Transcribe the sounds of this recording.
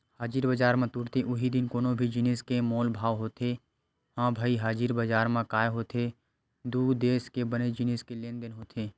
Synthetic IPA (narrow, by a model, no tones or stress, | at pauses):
haːd͡ʒiɾbəd͡ʒaːɾmãt̪uːɾt̪iʔʊɦid̪ɪnkoːnõbʱid͡ʒɪneːskemoːlbʱaːʋɦoːt̪e | hãːbʱaiɦaːd͡ʒiɾbəd͡ʒaːɾmãkaːjɦoːt̪ʰe | d̪uːɡd̪eːskebəned͡ʒɪneːskelẽːnd̪ənɦoːt̪ʰeː